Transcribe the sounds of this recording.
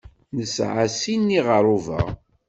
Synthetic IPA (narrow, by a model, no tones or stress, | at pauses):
nəsʕasinːiʁəɾˤuvə̰ʁ